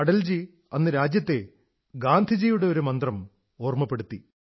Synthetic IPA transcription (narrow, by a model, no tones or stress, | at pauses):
ɐɽɐld͡ʑi | ɐnːɨɾaːd͡ʑjɐt̪ːe̞ | ɡaːnd̪ʱid͡ʑijuɽe̞o̞ɾumɐnd̪rɐm | o̞ːrmɐpːe̞ɽut̪ːi